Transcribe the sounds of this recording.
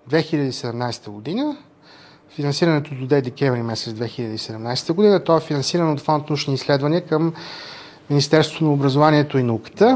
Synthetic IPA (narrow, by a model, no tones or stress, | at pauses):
d̪vɛxiʎʲəd̪iisɛd̪ɛmnajst̪əɡod̪inə | finɐnsiɾənɛt̪od̪ʊd̪ɛd̪ɛkʲɛvɾimɛsɛt̪zd̪vɛxiʎʲəd̪isɛd̪ɛmnajsɛ̥t̪əɡʊd̪inət̪ɔɛfinɐ̃nsiɾənɛot̪fɔnt̪nut͡ʃniislɛd̪vɐniəkəmː | inist̪ɛɾso̥t̪onɐobɾəzovaniɛt̪oinɐukə̥t̪ə